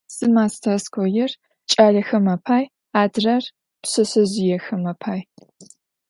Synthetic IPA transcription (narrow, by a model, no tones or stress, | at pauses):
sɨmaːstʰaskʷʰɔjɪr | t͡ʃʼaːɮɐxɐmɐpʰaːj | aːdrɐr | psɐsɐzɪjɛxɐmɐpʰaːj